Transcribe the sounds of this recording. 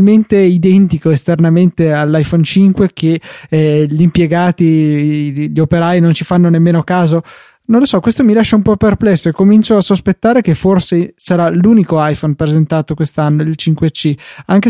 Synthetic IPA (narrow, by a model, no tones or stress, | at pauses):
lment̪eid̪ɛnt̪ikoest̪ernament̪ealːajfont͡ʃiŋkwekʰe | ʎimpjeɡaːt̪i | ʎiopeɾajnont͡ʃifanːonemːeːnokaːzo | nõnlːosɔkːwest̪omilaʃːaumpɔpːerplɛsːoekːomint͡ʃoasːospet̪ːaːɾek̟efːorsesaɾaluːnikoajfonpɾezent̪aːt̪okwest̪anːoilt͡ʃiŋkwet͡ʃiaŋke